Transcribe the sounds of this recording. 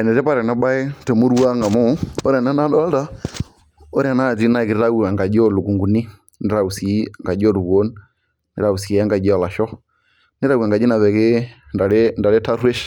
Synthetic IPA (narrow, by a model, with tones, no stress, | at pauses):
ɛ˨nɛ˨tɛ˦pa˦ɾɛ˨na˦ba˦e˦tɛ˨mu˦ɾu˦a˦ŋa˨mo˦o˦ɾɛ˨na˦na˦dɔ˦da˦ | o˦ɾɛ˨na˦˨d͡ʒi˦na˦˨ki˨ɾɾa˦u˨a˨ŋɡa˨d͡ʒɔ˦˨lu˨ku˨ŋɡu˨ni˦ | ni˦ɾa˨u˨si˨˦˨ŋɡa˨d͡ʒɔ˦ɾu˨wo˦n | ni˨ɾa˨u˨si˨a˦ŋɡa˨d͡ʒɔ˨la˨ʃɔ˦ | ni˦ɾa˦u˨a˨ŋɡa˨d͡ʒi˦na˨ðɛ˨ke˦ | nda˨ɾe˦nda˨ɾe˦ta˦ɾe˦ʃ